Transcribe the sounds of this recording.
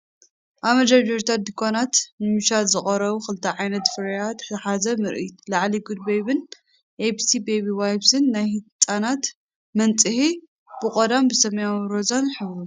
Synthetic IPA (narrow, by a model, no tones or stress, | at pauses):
ʔaβmɐd͡ʒɐd͡ʒɐɾt̪ʰat̪̚d̪ɨkʰːonat̪nɨmɨʃat̪zɨχʼɐɾɐβuxɨlɨt̪ʰɐʕajnɐt̪fɨɾɐjat̪ʰħtɐħazɐmɨɾʔit̪laʕliɡud̪̚bejβɨn | ʔejbsibejbiwajbsɨnːajhɨt̪ʼanat̪ | mɐnt͡sʼɨhi | b̥ɨkʼod̪ambɨsɐmɐjaɾozanħɨβɾu